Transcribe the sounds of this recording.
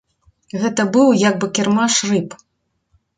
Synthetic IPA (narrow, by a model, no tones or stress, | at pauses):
ɣɛt̪ɐbɨwjaɡ̚bɨkʲɛrmaʂrɨp